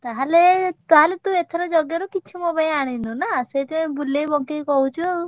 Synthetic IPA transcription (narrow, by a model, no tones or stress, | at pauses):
t̪aɦalet̪aɦalet̪ũet̪ʰeɾɔd͡ʒɔɡjɔɾɔkit͡ʃʰumobajaɽ̃inunaseit̪ũbulːejbɔŋkejkɔɦut͡ʃʰuo